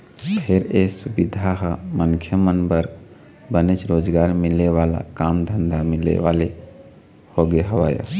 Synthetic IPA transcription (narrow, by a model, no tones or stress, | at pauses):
pʰeɾesubid̪ʱaɦəməŋkʰjəmənbəɾɡ | bənet͡ʃɾoːd͡ʒɡaːɾmileʋala̰kamd̪ʱənd̪amilḛʋale | hoɡeɦəʋa̰ːjə̰